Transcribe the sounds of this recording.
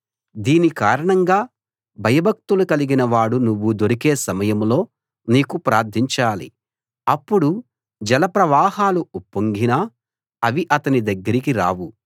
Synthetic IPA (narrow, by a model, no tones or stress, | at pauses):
d̪iːnikaːɾɐɳɐŋɡaː | bʱɐjɐbʱɐk̚t̪ulukɐliɡinɐʋaːɽunuʋːud̪oɾike̞ːsɐmɐjɐmlo̞ː | niːkupɾaːɾd̪ʱiɲt͡ʃaːlḭ | ɐpːuɽu | d͡ʒɐlɐpɾɐʋaːɦaːluupːoŋɡinaː | ɐʋiʔɐt̪ɐnid̪ɐɡːɐɾikiɾa̰ːwu